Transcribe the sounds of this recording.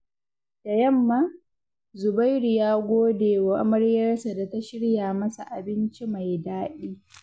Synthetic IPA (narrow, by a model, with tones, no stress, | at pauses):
d̥a˨jɐ˦˨mːaː˦ | zʊ˨ba˦jɾu˨jaː˦ɡʷoː˦deː˨wa˨˦mɐ˦ɽjɐ˦rsa˨da˨ta˦ʃɪ˦ɽjaː˨mɐ˦sa̰˨ʔa˨bɪ˦nt͡ʃi˦ma˨jdaː˦ʔiː˦